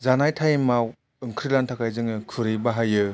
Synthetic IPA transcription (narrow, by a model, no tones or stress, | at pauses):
zanajtʰajemaw | ɯŋkʰɾɯlantʰakʰajzɯŋɯkʰɯɾɯjbaɦajɯ